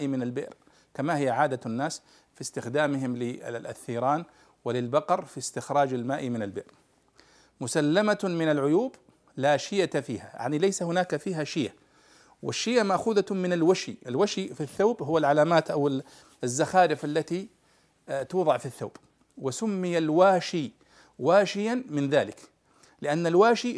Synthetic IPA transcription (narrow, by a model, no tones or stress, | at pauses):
ʔimɪnalbɪ̰ʔɾ | kamahɪjːaʕaːd̪aanːaːs | fist̪ɪxd̪aːmɪɦɪmlɪʔa̰θːiːɾˤɑːn | wɪlɪlbɑqɑɾˤfist̪ɪxɾˤɑːd͡ʒalmaːʔimɪnalbɪ̰ʔɾ | mʊsalːamamɪnalʕʊjuːb | laːʃɪjafḭːha̰ja̰ʕnilajsahʊnaːkafiːɦaʃɪjʔa | wʔɪ̰ʃːɪjʔamaʔxuːðamɪnalwaʃiʔɪlwaʃifiθːaːbɦʊwːalʕalaːmaːt̪ʔawɪ | zːaxaːɾɪfʔalːat̪i | t̪uːðˤɑʕfiθːawːb̥ | wɪsʊmːɪjalwaːʃi | waːʃɪjamɪnðaːlɪk | lɪʔanːalwaːʃi